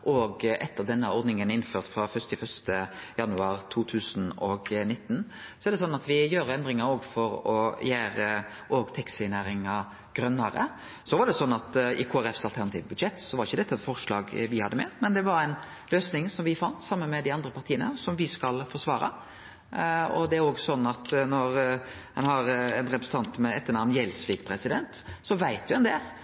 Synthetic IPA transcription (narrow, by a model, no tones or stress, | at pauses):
ʔɔɡʔɛt̪ːəʁd̪ɛnːəɔɾd̪nɪŋənɪnːføːʁt̪fɾɑfœst̪ɪfœst̪əjɑnʉɑːɾt̪ʰuːt̪ʰʉːsnɔɡnɪt̪ːn | sɔɛɾd̪ɛsɔnːɑt̪ʋɪjøːɾɛnd̪ɾɪŋɑɾoːɡfɔɾɔjæːɾə | ʔoɡt̪ʰɛksɪnæːɾɪŋɑ | ɡ̥ɾœnːəɾə̰ | sɔʋɑd̪ɛsɔnːɑt̪ɪ̰kʰoːæɾɛfsɑlt̪ʰæɾnɑt̪ʰḭːʋbʉd̪ʂɛt̪ːsɔʋɑɾɪçːəd̪ɛt̪ːɑfɔɾʂlɑ̰ːɡʋɪhɑd̪ːəmɛ̰mɛnd̪ɛʋɑɾæɪn | løːsnɪŋsɔmʋɪfɑnt̪sɑmːənmɛd̪ɪɑnd̪ɾəpɑɾt̪ʰiːənəsɔmʋɪskɑlfɔʂʋɑːɾɑ̰ | ɔ̰d̪ɛæɾoːɡsɔnːɑt̪nɔɾ | hɛnhɑɾɛnɾɛpɾsəɑnt̪mɛɛt̪ːəɾnɑnjɛlsʋɪɡpʰɾɛsɪd̪ɛnt̪sɔʋæɪt̪̚d̪ʉɛnd̪eːl